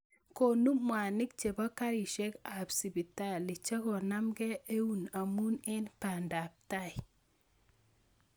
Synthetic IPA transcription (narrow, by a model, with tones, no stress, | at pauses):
ko˨nu˦mwa˨nɪ˦k̚t͡ʃe˨ba˦ka˦ɾi˨ʃɛ˦ka˨bsi˨bi˨ta˦˨lɪ˨t͡ʃa˦kɔ˨na˦mɡɛ˦e˦u˦na˨mu˦nɛ˦npa˨nda˨p̚ta˦ɪ˨